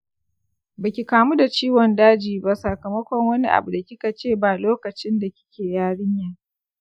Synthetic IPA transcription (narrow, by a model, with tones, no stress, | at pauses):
bɐ˨kʲi˨kaː˨mu˦da˨t͡ʃiː˦wɔ˨ndaː˦d͡ʒiː˨ba˦sa˨kɐ˨mɐ˦kʷɔ˨ŋwɐ˦ni˦ʔa̰˨bu˨da˨kʲɪ˦ka˨t͡ʃeː˦˨baː˨loː˦kɐ˨t͡ʃɪ˦nda˨kʲɪ̥˦kʲʰeː˨jaː˦ɽɪ˦ɲjaː˨